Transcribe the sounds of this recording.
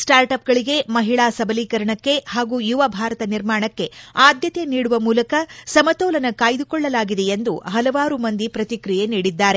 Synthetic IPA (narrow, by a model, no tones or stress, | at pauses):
sʈaːɾʈɐp̚ɡɐɭiɡe̞mɐɦiɭaːsɐbɐliːkɐɾɐɳɐkːe̞haːɡuːjuʋɐbʱaːɾɐt̪ɐniɾmaːɳɐkːe̞aːd̪jɐt̪eniːɽuʋɐmuːlɐkɐsɐmɐt̪ɔːlɐnɐkaːjd̪ukɔɭːɐlaːɡid̪e̞end̪uɦɐlɐʋaːɾumɐnd̪ipɾɐt̪ikɾije̞niːɽid̪ːaːɾe̞